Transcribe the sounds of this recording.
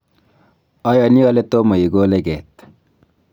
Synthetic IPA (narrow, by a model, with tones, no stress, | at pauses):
a˦jani˦a˦let̪omɐ˨ji˨ɡoː˦leɡet̪